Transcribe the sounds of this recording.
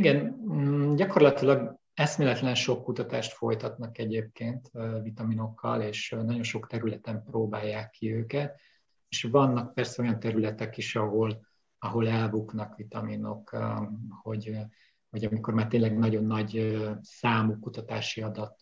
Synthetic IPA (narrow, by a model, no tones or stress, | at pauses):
iɡɛnː | ɟɒko̞rlɒt̪ilɒɡ | ɛst̪meːlɛt̪lɛnʃo̞kːut̪ɒt̪aːʃt̪fo̞jt̪ɒt̪nɒkɛɟeːp̚keːnt̪ːvit̪ɒmino̞kʰːɒleːʃnɒɟo̞nʃo̞kt̪ɛɾylɛt̪ɛmproːbaːjːaːkːiøːkɛt̪ | eʃvɒnːɒk̚pɛrsɛo̞jɒnt̪ɛɾylɛt̪ɛkiʃɒɦo̞l | ɒɦo̞lɛlbuknɒkʋit̪ɒmino̞k | ho̞ɟ | hoɟɒmiko̞rmaːrt̪eːnlɛɡnɒɟo̞nːɒɟøsaːmukut̪ɒt̪aːʃiɒd̪ɒt̪